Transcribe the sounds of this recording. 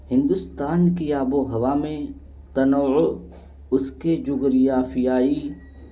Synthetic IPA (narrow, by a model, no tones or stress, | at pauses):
hɪ̃nd̪ʊst̪aːnkijaːboɦɐʋaːmẽ | t̪ɐnoːʊ | ʊsked͡ʒʊɡɾijaːfijaːiː